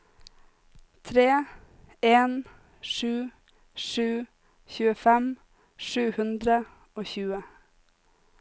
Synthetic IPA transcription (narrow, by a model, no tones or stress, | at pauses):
t̪ʰɾeː | eːn | ʃʉː | ʃʉː | çʉːəfɛm | ʃʉːhʉnd̪ɾə | oːçʉːə